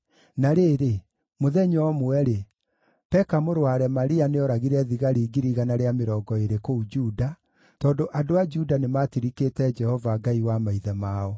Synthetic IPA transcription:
naɾeːɾe | moðɛɲɔmwɛɾe | pɛkamoɾwaɾɛmaɾianeɔɾaɣiɾɛðiɣaɾiːɡiɾiɣanaɾeameɾɔːɡɔeɾekoud͡ʒuːda | tɔːndoʔadoad͡ʒudanematiɾikeːtɛd͡ʒɛhɔvaɡaiwamaiðɛmaɔ

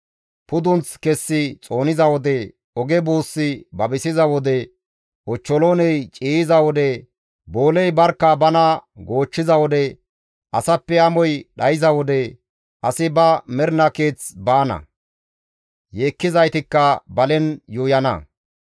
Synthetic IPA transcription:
pʊd̪ʊnt͡skɛsːɪt͡sʼo̞ːnɪzɐwɔd̪ɛ | ɔɡɛbuːsːɪbɐbɪsɪzɐwɔd̪ɛ | ʔɔt͡ʃːɔloːnɛjt͡ʃʼiːɪzɐwɔd̪ɛ | bo̞ːlɛjbɐɾkːɐbɐnɐɡo̞ːt͡ʃːɪzɐwɔd̪ɛ | ʔɐsɐpːɛɐmɔjɗɐjɪzɐwɔd̪ɛ | ʔɐsɪbɐmɛɾnɐke̞ːt͡sbaːnɐ̰ | jeːkːɪzɐjt̪ɪkːɐbɐlɛnjuːjɐnɐ̰

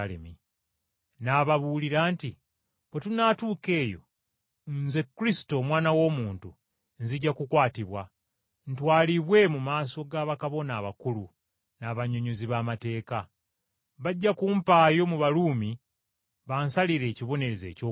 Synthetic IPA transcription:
lḛmi | naβaβuliɾaːnti | βwe̞tunatuːke̞ːjo̞̰ | nze̞kːuɾisi̥to̞ːmwaːnawo̞ːmuːntu | nziɟːakukwaːtiβwa | n̩twaːliβwe̞mumaːso̞ɡaːβakaβo̞naːβakulu | naβaɲo̞ɲoziβaːmate̞ːka | βaɟːakuːmpaːjo̞muβaluːmi | βaːnsaliɾe̞ːciβo̞ne̞ɾeze̞ːco

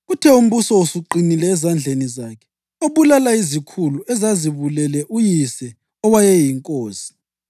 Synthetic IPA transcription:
ɣutʰɛum̩βusɔusuǃinilɛːzand͡ɮʱenizaːkʰɛ̥ | oβulalaizikʰuluɛzaziβulɛlɛʔujisɛ | ɔwajɛjiŋkʼoːsi̥

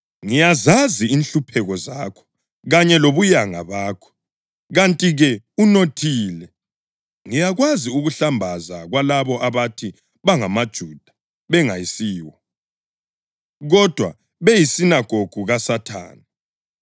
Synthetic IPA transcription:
ŋijazaziinɬupʰɛɣɔzaːkʰɔ̥ | ɣaɲɛloβujaŋa̰βaːkʰɔ̥ | ɣantʼiɣɛunotʰiːlɛ | ŋijaɣwaziuɣuɬambʱazaɣwalaβɔʔaβatʰi | βaŋamad̥ʒ̥ʱud̥ʱḁ | βɛŋajisiːwɔ | ɣɔd̥ʱwa | βejisinaɡ̥ʱoɡ̥ʱuɣasatʰa̰ːna

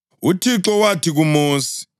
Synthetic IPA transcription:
utʰiǁɔwatʰiɣumuːsi̥

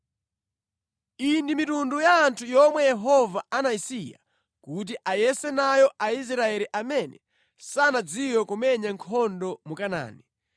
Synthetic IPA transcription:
indimitundujaːntʰujɔmwɛjɛɦɔvaanaisija̰ | kut̬iʔajɛsɛnajɔʔais̬ɾaɛɾiʔamɛnɛ | sanad͡ziwɔkumɛɲaŋkʰɔndɔmukana̰ːni

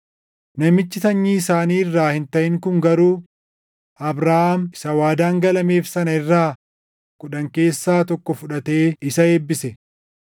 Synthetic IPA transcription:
nɐmɪt͡ʃːɪt̪ɐɲːiːɪsaːniːɪrːaːhɪnt̪ɐʔɪŋkʊŋɡɐɾuː | ɐbɾaːhamɪsɐwaːd̪aːŋɡɐlɐme̞ːfsɐnɐɪrːaː | kʼʊᶑɐŋke̞ːsːaːt̪ɔkːɔfʊᶑɐt̪e̞ːɪsɐe̞ːbːɪsɛ

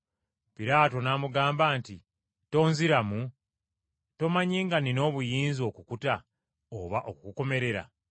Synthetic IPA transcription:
piɾaːto̞naːmuɡaːmbaːnti | to̞ːnziɾamu | to̞maɲiːŋɡanino̞ːβujiːnzio̞ːkukuta | oβaʔo̞kukuko̞me̞ɾe̞ɾa̰

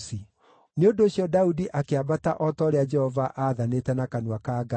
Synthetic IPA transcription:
si | neondoːɕiɔdaudiʔakeabataʔɔtɔɾead͡ʒɛhɔvaʔaðanetɛnakanwakaːɡa

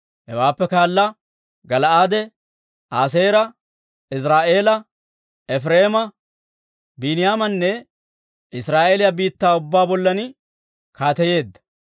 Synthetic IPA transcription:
hɛwaːpːɛkaːlːɐ | ɡɐlɐaːd̪ɛ | aːs̬e̞ːɾɐ | ɪs̬ɾaːʔe̞ːlɐ | ɛfɾeːmɐ | binɪjaːmɐnːɛ | ɪsɾaːʔelɪjabiːt̪ːaːʊbːaːbɔlːɐnɪ | kaːt̪ɛje̞ːd̪ːɐ̥

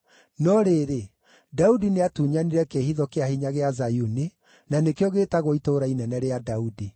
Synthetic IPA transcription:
nɔɾeɾe | daudineatuːɲaniɾɛkeːhiðɔkeahiɲaɣeazajuni | nanekeoɣetaɣoitoɾainɛnɛɾeadaudi

